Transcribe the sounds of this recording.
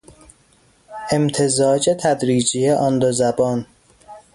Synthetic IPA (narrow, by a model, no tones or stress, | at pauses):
ʔe̞mt̪ʰe̞zɒːd͡ʒet̪ʰæd̪ɾiːd͡ʒijeʔɒnd̪ozæbɒːn